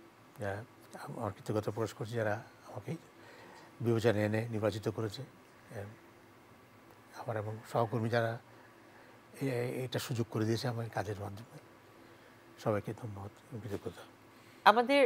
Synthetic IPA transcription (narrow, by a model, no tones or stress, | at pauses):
d͡ʒaɾa | a̰maɾkit̪ːoɡɔt̪ɔpɾɔaʃkoɾt͡ʃʰid͡ʑaɾa | amake | bibed͡ʑɔnaeneniɾbat͡ɕit̪ɔkoɾet͡ʃʰe | amaɾɛbɔŋʃɔɦɔkoɾmid͡ʑaɾa | ejʈaʃud͡ʒoɡ̚koɾed̪iet͡ɕʰeamakad͡ʑeɾmad̪ʱome | ʃɔbajked̪ʰʱomːɔɦɔt̪kit̪okoɾt̪ʰa | amad̪e